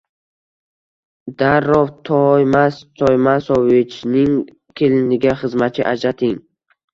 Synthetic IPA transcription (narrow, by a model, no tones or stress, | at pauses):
d̪aɾːɔft̪ʰɔjmast̪ʰɔjmasɔvit͡ʃnɪŋ | kʲʰilniɡʲaχɨzmat͡ʃʰiʔad͡ʒat̪ʰiŋ